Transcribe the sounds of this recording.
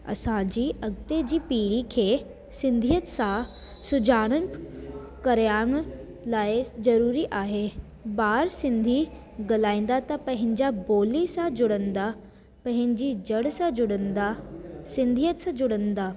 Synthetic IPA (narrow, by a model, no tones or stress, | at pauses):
ɐ̰sãd͡ʑiːʔɐɡt̪ed͡ʑiːpiːɽikʰeː | sɪ̃nd̪ʱijət̪sã | sʊd͡ʑʱaːɽ̃ən | kɐɾjaːɽ̃ | laːɪzɐɾuːɾiʔaːɦe | baːɾsɪ̃nd̪ʱi | ɡɐlaːĩːn̆d̪at̪ɐpɐ̃ɦɪ̃ɲd͡ʑaboːlisãd͡ʑʊɽə̃nd̪a | pɐ̃ɦɪ̃ɲd͡ʑid͡ʑɐɽsãd͡ʑʊɽənd̪asɪ̃nd̪ʱijət̪sãd͡ʑʊɽə̃nd̪aː